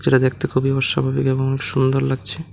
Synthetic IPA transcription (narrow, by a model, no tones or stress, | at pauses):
d͡ʑeɾad̪ek̚ʰt̪ekʰubioʃːa̰bʱabikeboŋɔnekʃund̪oɾlaɡ̚t͡ɕʰe